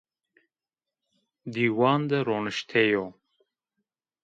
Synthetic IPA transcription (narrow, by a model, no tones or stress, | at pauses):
d̪iːwɑːnd̪əɾonɨʃt̪ʰejoː